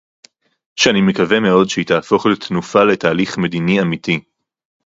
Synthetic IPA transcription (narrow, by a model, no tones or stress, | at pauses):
ʃeanime̞kave̞me̞o̞dʃeit̪aːfo̞χlet̪nufale̞t̪aːliχme̞d̪iniamit̪i